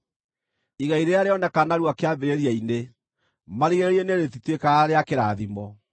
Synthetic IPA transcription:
iɣaiɾeaɾeɔnɛkanaɾuwakeaβeɾeɾiaine | maɾiɣeɾeɾieneɾetitwekaɾeakeɾaðimɔ

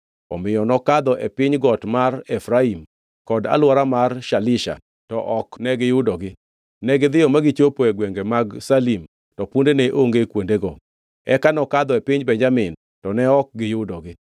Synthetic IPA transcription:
ɔ̰mɪjɔnɔkad̪ɔʔepɪɲɡɔtmarɛfɾaim | kɔda̰lwɔɾamarʃalɪʃa̰ | tɔ̰ʔɔknɛɡɪjʊdɔɡɪ | nɛɡɪd̪ɪjɔmaɡɪt͡ʃopoeɡweŋɡemaɡsalim | tɔpundeneʔoŋɡekwondeɡɔ | ɛkanɔkad̪ɔepɪɲbɛɲd͡ʒamɪn | tɔnɛɔk̚ɡɪjʊdɔɡɪ

